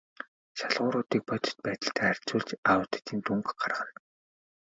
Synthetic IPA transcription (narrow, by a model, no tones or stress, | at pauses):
ʃaɮʁʊːɾʊːt̪iːk̚pɔt̪ʲɪ̥̆t̪̚pæːt̪ə̆ɬt̪ʰæːær̥ʲt͡suːɮt͡ɕaɾʊːt̪̆t̪iːnt̪uŋkɢarʁə̆n